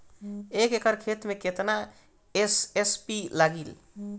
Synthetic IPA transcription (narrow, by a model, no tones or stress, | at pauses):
ekekəɾkʰet̪meket̪na | esespilaɡil